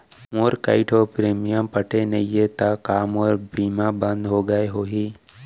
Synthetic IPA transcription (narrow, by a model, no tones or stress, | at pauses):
moːɾkaːɪʈɔːɾpɾeːmijəmpəʈʰenɐiɦet̪akaːmɔːɾbiːmabə̃nd̪ɦoɡəeɦoːɦiː